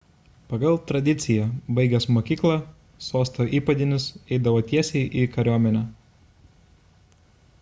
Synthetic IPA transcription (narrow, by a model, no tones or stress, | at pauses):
pɐɡɐlˠt̪ɾɐd̪ʲɪt̪sʲɪjɛbɐɪɡʲɛsmoːkʲiːklˠɑ | soːst̪oːʔiːpɐd̪ʲɪnʲɪsɛɪd̪ɐʋoːt̪ʲiɛsʲɛɪʔikɐɾʲoːmʲɛnʲɛː